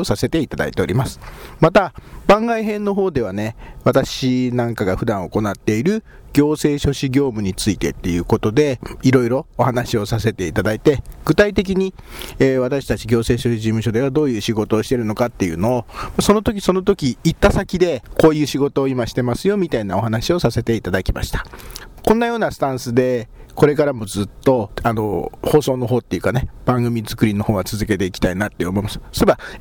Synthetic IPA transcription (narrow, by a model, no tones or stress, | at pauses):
osase̞t̪e̞it̪ad̪a̰it̪e̞o̞ɾʲimasɨ̥mat̪ab̥ãŋɡaiɦẽ̞nːo̞ɦo̞ːd̪e̞β̞ane̞βat̪aɕinãŋkaɡaɸɯ̟d̪ãɰ̃o̞ko̞nat̪ːe̞iɾɯ̟ | ɡ̥ʲo̞ːse̞ːɕo̞ɕiɡʲo̞ːmɯ̟ɲ̟it͡sɨit̪e̞̰t̪ːe̞jɯ̟ːko̞t̪o̞d̪e̞iɾo̞iɾo̞ːhanaɕio̞sase̞t̪e̞it̪ad̪ait̪e̞ɡ̥ɯ̟t̪ait̪e̞k̬ʲiɲ̟i | eβ̞at̪aɕi̥t̪at͡ɕiɡʲo̞ːse̞ːɕo̞ɕiʑimɯ̟ɕo̞d̪e̞βad̪o̞ːjɯ̟ːɕiɡo̞t̪o̞ːɕi̥t̪e̞ɾɯ̟no̞kat̪ːe̞jɯ̟̰ːno̞ːmaso̞no̞t̪okʲi̥so̞not̪o̞kʲiːt̪ːasakʲid̪e̞ko̞ːjɯ̟ːɕiɡo̞t̪o̞ːimaɕi̥t̪e̞masɨjo̞mʲit̪ainao̞ɦanaɕio̞sase̞t̪e̞it̪ad̪akʲima̰ɕi̥t̪ḁkõ̞nːajo̞ːnasɨ̥t̪ãɰ̃sɨd̪e̞ | ko̞ɾe̞kaɾamo̞d͡zɨt̪ːo̞ano̞̰ho̞ːso̞ːno̞ɦo̞ːt̪ːe̞iɯ̟kane̞b̥ãŋɡɯ̟mʲizɨkɯ̟ɾʲino̞ho̞ːɡat͡sɨzɨke̞t̪e̞ikʲi̥t̪ainat̪ːeomo̞imasɨ̥soeba